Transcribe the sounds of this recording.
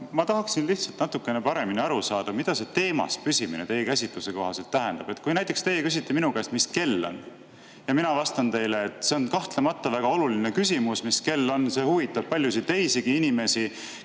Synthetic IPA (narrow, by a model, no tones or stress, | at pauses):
mɑt̪ɑɦɑksinliht̪sɑlt̪nɑt̪ːukːˑe̞nepɑɾe̞miniɑɾusɑːd̪̥ɑmid̪̥ɑse̞t̪e̞ːmɑ̰spysimḭnḛt̪e̞jekæsʲit̪luse̞ko̞ɦɑse̞lt̪ːæɦe̞nd̪̥ɑb̥e̞t̪̚ːˑkujnæjt̪ˑːekst̪e̞jekys̬it̪ːˑeminukæest̪miske̞lːo̞̰n | jɑminɑvɑst̪ɑnt̪e̞jleːt̪ˑse̞onkɑht̪lemɑt̪ːˑɑvæɡ̥ɑo̞luline̞kysʲimusmiske̞lːo̞nse̞huvit̪ːˑɑb̥̚pɑlʲjus̬it̪e̞jsiɡ̥iinime̞si